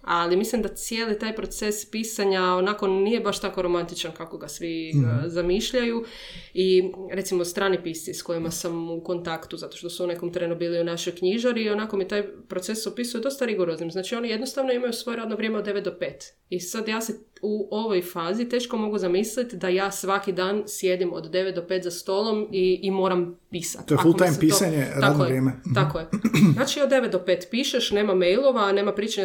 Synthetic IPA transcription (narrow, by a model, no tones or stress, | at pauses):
alimislimd̪at̪sjeːlit̪aːjpɾo̞t̪sespisaɲaonako̞nije̞baʃt̪ako̞ɾo̞mant̪it͡ʃankako̞ɡasʋizamiʃʎaju | iɾe̞t̪simost̪ɾaːnipist̪sisko̞jimasamuko̞nt̪akt̪uzat̪oʃt̪o̞suune̞ko̞mt̪ɾenubiːliunaʃo̞jkɲiʒaɾio̞nako̞mit̪aːjpɾo̞t̪sesopisujed̪o̞st̪aɾiɡoɾoznimznaːt͡ʃio̞nije̞d̪no̞st̪aʋno̞imajusʋo̞jeɾad̪noʋɾjeːmed̪ːe̞ʋe̞t̪̚d̪o̞pe̞ːt̪ | isad̪jaːse | uoʋojfaːzit̪e̞ːʃko̞mo̞ɡuzamislit̪d̪ajaːsʋakid̪aːnsje̞d̪imo̰d̪ːe̞ʋet̪d̪o̞pe̞ːt̪zast̪o̞ːlˠo̞miːmo̞ːɾampiːsa̰t̪ːoeafulˠotajmpiːsaɲeɾad̪nojɾjeːmeakojenaːt͡ʃiod̪d̪e̞ʋet̪̚d̪opeːt̪piːʃeʃne̞ːmamejlˠo̞ʋaːne̞ːmapɾiːt͡ʃaɲ